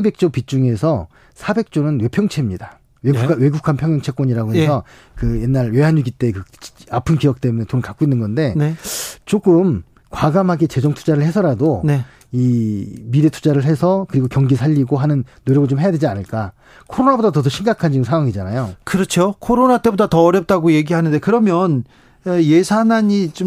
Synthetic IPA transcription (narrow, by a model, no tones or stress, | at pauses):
be̞k̚t͡ɕ͈opit͡ɕ͈uŋe̞sʰʌ | sʰabe̞k̚t͡ɕ͈onɯnwe̞pʰjʌŋt͡ɕʰe̞mɲida | weɡkwe̞ɡukʰanpʰjʌŋjʌŋt͡ɕʰe̞k͈ʌɲiɾaɡoɦesʰʌ | kɯje̞nːaɾwe̞ɦaɲuɡit͈e̞kɯapʰɯnkijʌk̚t͈e̞mune̞tonɯɭkak͈oinːɯnɡʌnde̞net͡ɕoɡɯm | kwaɡamɦaɡet͡ɕe̞d͡ʑʌŋtʰu̥d͡ʑaɾɯɭhe̞sʰʌɾadone | imiɾe̞tʰu̥d͡ʑaɾɯɭe̞sʰʌkɯɾiɡokjʌŋɡisʰaʎːiɡoɦanɯnːojʌɡɯɭt͡ɕomɦe̞jadwe̞d͡ʑianɯɭk͈a | kʰoɾonabodat̬ʌdʌɕʰiŋɡakʰand͡ʑiɡɯnsʰaŋwaŋid͡ʑanajokɯɾʌt͡ɕʰokʰoɾonat͈e̞bodatʌːɾjʌp̚t͈aɡoje̞ɡiɦanɯnde̞kɯɾʌmjʌn | eje̞sʰanaɲit͡ɕom